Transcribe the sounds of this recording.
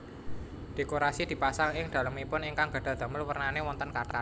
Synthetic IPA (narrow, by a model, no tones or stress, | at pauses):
ɖ̥e̤koɾasid̪̥i̤pasaŋɪŋd̥̪ä̤ləmipʊnɪŋkaŋɡ̥a̤ɖ̥a̤d̪̥a̤məlwərnanewɔnt̪ənkat̪a̰